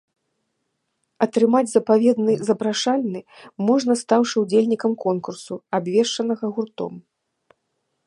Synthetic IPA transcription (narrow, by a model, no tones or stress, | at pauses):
ɐt̪ɾɨmad͡zʲzɐpavʲɛd̪nɨzɐpɾaʂalʲnɨmɔʐnɐst̪awʂɨud͡zʲelʲnʲikɐmkɔnkursuabvʲɛʂt͡ʂɐnɐɣɐɣurt̪ɔ̰m